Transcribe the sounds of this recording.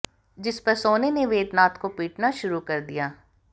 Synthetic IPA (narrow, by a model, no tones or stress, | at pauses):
d͡ʒɪspɐɾsoːneneʋeːd̪naːt̪kopiːʈnaʃʊɾukɐɾd̪ijaː